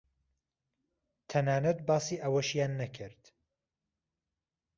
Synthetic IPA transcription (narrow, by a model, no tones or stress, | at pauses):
t̪ʰɐnaːnɐt̪̚baːsiːʔɐwɐʃjaːnːɐkʰɨɾd̪̥